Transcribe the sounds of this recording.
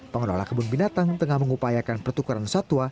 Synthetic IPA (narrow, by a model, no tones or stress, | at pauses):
pəŋənɔ̰la̰kəbʊnbinat̪aŋt̪əŋahməŋupajakanpərt̪ukaɾansat̪ua